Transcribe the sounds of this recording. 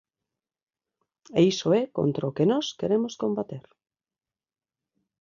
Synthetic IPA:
eisoɛko̰nt̪ɾaokenɔskeɾemoskõmbat̪eɾ

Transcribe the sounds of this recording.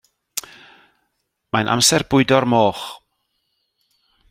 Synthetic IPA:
majnʔa̰msɛrb̥ʊɨdɔɾmoːχ

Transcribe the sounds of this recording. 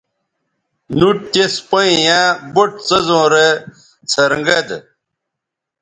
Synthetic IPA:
nuʈ̚t̪espɐijãboʈ̚t͡sɐzõːɾe | t͡sʰɐɾŋɡɐd̪

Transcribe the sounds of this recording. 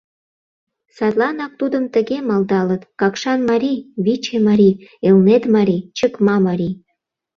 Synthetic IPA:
sɑt̪lɑnɑk̚t̪ud̪əmt̪ə̆ɣemɑld̪ɑlət̪kɑkʃɑnmɑɾiβit͡ɕemɑɾʲielnet̪mɑɾit͡ɕəkmɑmɑɾʲi

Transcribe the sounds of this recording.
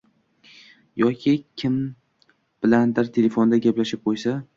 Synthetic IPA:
jɒkʲʰɪkʲʰɪm | b̥ɪland̪ɪɾt̪ʰe̞lefond̪aɡʲaplaʃɪp̚qʰojsa

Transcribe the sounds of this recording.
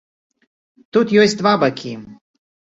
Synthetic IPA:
t̪ut̪juesʲt̪vabakʲʰim

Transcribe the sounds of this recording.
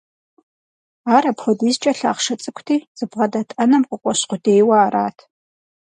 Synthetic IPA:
aːɾɐpχʷʊdiːzt͡ʃʼɐɬa̰ːʁʂɐt͡sʼɨkʷʰtʰiːz̥ɨbʁɐdɐtʼɐnɐmqʷʼʊqʷʼɔɕqʷʊdejwɐaːɾa̰ːtʰ

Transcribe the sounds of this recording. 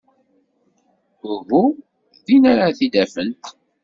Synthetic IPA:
ʊvu | ðinaɾaθid̪æfənt̪

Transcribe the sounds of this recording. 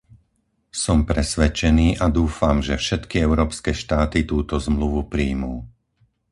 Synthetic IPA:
sɔmpɾɛsʋɛt͡ʃɛniːʔad̪uːfamʒɛfʃɛt̪kiɛʊɾɔːpskɛːʃt̪aːt̪it̪uːt̪ɔzmluʋupɾijmuː

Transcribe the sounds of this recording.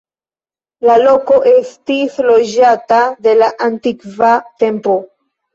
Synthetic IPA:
lalo̞ko̞ʔestislo̞d͡ʒatad̪e̞laʔantikvate̞mpo

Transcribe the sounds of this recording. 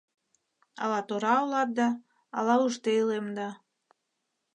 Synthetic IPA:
ɑ̰lɑt̪oɾɑolɑt̪̚d̪ɑː | lɑuʃt̪eilemd̪ɑ

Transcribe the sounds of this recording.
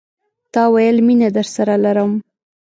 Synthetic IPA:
t̪ɑwajəlminad̪əɾsaɾalaɾəm

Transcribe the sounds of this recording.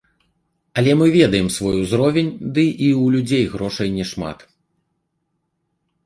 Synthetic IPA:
ɐlʲɛmɨvʲɛd̪ɐjɛmsvɔjuzɾɔvʲenʲd̪ɨʔiwlʲud͡zʲejɣɾɔʂɐjnʲɛʂma̰t̪

